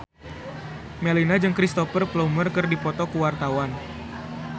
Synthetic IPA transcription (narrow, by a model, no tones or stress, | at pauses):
melinad͡ʒɨŋkɾist̪ɔfərplomərkɨrdipɔt̪ɔkuwart̪awan